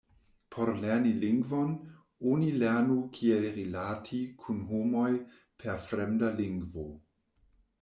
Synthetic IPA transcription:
pʰoɾleɐniliŋɡvon | onileɐnukʰielɾilatʰikʰunɦomoj | pʰeɾfɾemdaliŋɡvo

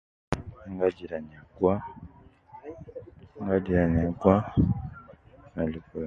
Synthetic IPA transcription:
aŋɡaɟiɾaɲakwa | ŋɡaɟiɾaɲakwa | naliku

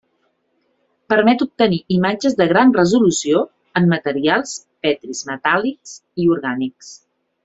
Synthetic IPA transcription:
pəɾmɛt̪up̚t̪əniʔimad͡ʒəzðəɣɾanrəzulusio | əmːət̪əɾialˠs | pɛt̪ɾizmət̪aliksiuɾɣaniks

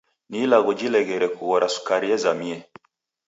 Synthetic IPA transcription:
nilaɣɔd͡ʒilɛɣɛɾɛkuɣɔɾasu̥kaɾiɛzamiɛ

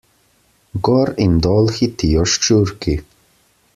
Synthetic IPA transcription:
ɡɔɾimd̪ɔlxit̪ijɔʃt͡ʃuɾki

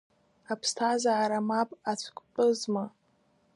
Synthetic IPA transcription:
apʰstʰazaːɾamapʼat͡ɕʷʰkʷʼpʼɨzma

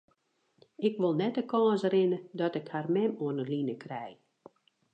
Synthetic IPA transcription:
ɪkʋolˠnɛtəkɔːsəɾɪnədɔtɪkharmɛmuənəlinəkʰrɛj

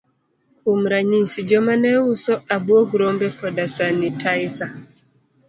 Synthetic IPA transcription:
um̩ɾaɲisid͡ʒɔmanɛusɔabuɔɡuɾɔmbɛfɔdasanitʰajsa

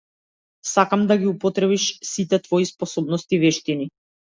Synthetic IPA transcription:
sakamd̪aɡiupɔt̪ɾɛβiʃsit̪ɛt̪vɔispɔsɔbnɔst̪ivɛʃt̪ini

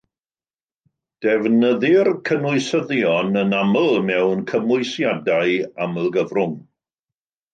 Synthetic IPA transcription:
d̥ɛvnəðɪrkʰənʊɨsəðjɔnənaməlˠmɛwnkʰəmʊɨsjadajaməlˠɡəvrʊŋ

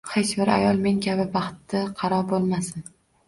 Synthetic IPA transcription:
het͡ʃbɪɾa̰jɒlˠme̞ŋkʲʰabɪbɑχt̪ːɪqʰɑɾɒbolˠmasɪn

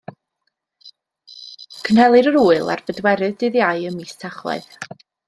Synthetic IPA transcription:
kʰənhɛlˠɨɾəɾuːɨlˠa̰rvədwɛɾɨðdɨðjaɨəmistʰaχlˠa̰ɨð

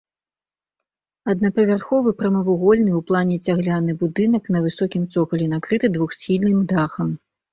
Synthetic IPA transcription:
ɐd̪̚nɐpɐvʲarxɔvɨpɾɐmɐvuɣɔlʲnɨwplˠanʲɛt͡sʲaɣlʲanɨbud̪ɨnɐknɐvɨsɔkʲimt̪sɔkɐlʲɛnakɾɨt̪ɨd̪vuxsʲxʲilʲnɨmd̪axɐm

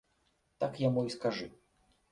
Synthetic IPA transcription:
t̪akjamuiskaʐɨ

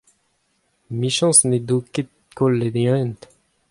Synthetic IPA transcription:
miʃɑ̃sned̪oket̪̚ | kolːed̪jœ̃nt̪

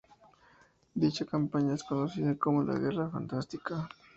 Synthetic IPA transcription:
d̪it͡ʃakampaɲaeskonosiðakomola̰ɣerafa̰nt̪ast̪ika

